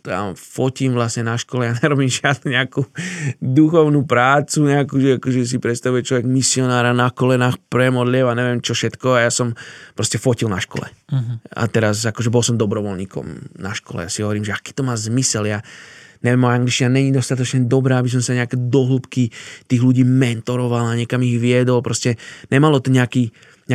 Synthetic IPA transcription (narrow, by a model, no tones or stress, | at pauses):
a̰fɔcimʋlasɲɛnaʃkɔlɛjaɲɛɾɔbimʒɪad̪nuɲɛakud̪uxɔʊnupɾaːt͡suɲɛakuːʒɛakɔʒɛs̬ipɾɛt̪st̪aʋujɛt͡ʃlɔʋɛɡmisiɔnaːɾanakɔlɛnaːxpɾɛmɔd̪lɪɛwaɲɛʋɛmt͡ʃɔfʃɛt̪kɔajaːsɔmpɾɔscɛfɔcilnaʃkɔ̰lɛ̰a̰t̪ɛɾasakɔʒɛbɔlsɔmd̪ɔbɾɔʋɔlɲiːkɔ̰mna̰ʃkɔ̰lɛ̰jasiɦɔʋɔɾiːmʒɛaki̥ːt̪ɔmaːzmisɛljaːɲɛʋɛmɔaŋɡlit͡ʃt͡ʃinaɲɛɲid̪ɔst̪at̪ɔt͡ʃɲɛd̪ɔbɾaːabis̬ɔmsaɲɛakɛːd̪ɔɦluːpkit̪iːɣluɟiːmɛnt̪ɔɾɔʋalaɲɛkamiɣʋɪɛd̪ɔlpɾɔscɛɲɛmalɔt̪ɔɲɛaki | ɲ